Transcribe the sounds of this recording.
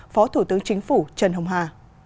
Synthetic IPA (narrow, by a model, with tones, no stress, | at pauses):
fɔ˨˦t̪ʰu˧˩t̪ɨ˨˦əŋt͡ɕï˨˦ŋ̟fu˧˩t͡ɕə˧˩nɦə˧wŋ͡mɦaː˧˩